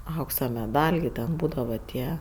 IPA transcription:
ˈɐʊksɐ mʲɛˈdɐlʲ ɡʲɪ ˈtʲɛn ˈbuːdɐʋɐ ˈtʲiɛ

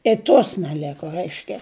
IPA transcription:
ɪ ˈtoːs nʲɛˈlʲæːkoː ˈrɐɪʃʲkʲɛ

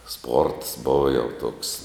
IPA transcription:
spoːrts ˈboːʋɐ jɛʊ tuɔks

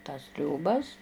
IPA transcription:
tɐs tʲrʲoːˈbɐs

